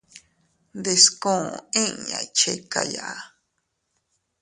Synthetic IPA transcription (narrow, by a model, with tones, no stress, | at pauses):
d̪e˨skõ˦˨oẽ˦ɲã˨jt͡ʃe˦ka̰˨ja̰˨ʔa˨